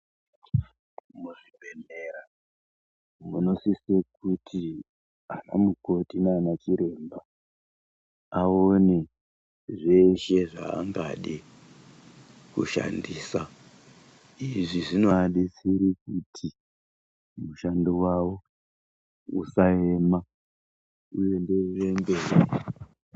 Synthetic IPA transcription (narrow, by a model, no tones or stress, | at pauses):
muʐibʱeneɾa | muno̞sisekutʰi | ana̰muko̞tinaanat͡ʃiɾe̞mba | aone̞ | ʐeʃe̞ʐa̰ːmba̰ɗe | kṵʃa̰ndiːsa | iʐiʐinoaɗesiɾik̚utʰi | muʃandowawo̞ | usae̞ma | uje̞nderembe̞ːre